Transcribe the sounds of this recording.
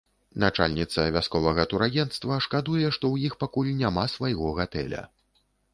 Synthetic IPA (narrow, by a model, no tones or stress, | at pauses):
nat͡ʂa̰lʲnʲit̪sɐvʲaskɔvɐɣɐt̪uɾajʲɛnt̪st̪vɐʂkad̪ujɛʂt̪ɔwjixpakulʲnʲamasvajɣɔɣat̪ɛ̰lʲɐ̰